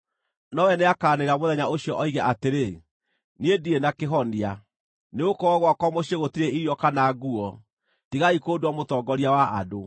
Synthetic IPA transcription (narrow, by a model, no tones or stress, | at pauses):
nɔwɛneakaːneɾamoðɛɲaoɕjɔʔɔiɣɛʔateɾe | niedienakeɦɔnia | neokɔɔɣwakɔmoɕeɣotiɾeʔiɾjɔkanaɡuɔ | tiɣaikoːdwamotɔɡɔɾiawaʔa̰do